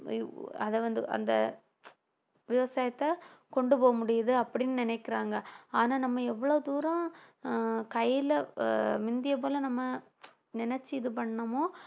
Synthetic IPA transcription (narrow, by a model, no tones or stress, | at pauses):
ɐðɐʋɐnd̪ɯʔɐ̰nd̪ɐ̰ | ʋɪʋɐsaːjɐt̪ːɐkɔɳɖɯpoːɣɐmʊɽɪjɐðɯɐpːɐɽɪnːɯnɪnɛɪkːɪɾaːŋɡɐaːnaːnɐmːɐɛʋːɐɭoːd̪uːɾɐ̃ | kɐɪɪlɐmɪnd̪ɪjɐp̬oːlɐnɐmːɐ | nɪnɛt͡ʃːiɪðɯp̬ɐɳːɐmoː